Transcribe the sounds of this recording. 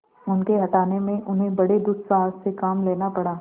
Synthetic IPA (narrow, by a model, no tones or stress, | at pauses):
ʊnkeɦɐʈaːnemẽʔʊnɦẽbɐɽed̪ʊssaːssekaːmleːnapɐɽaː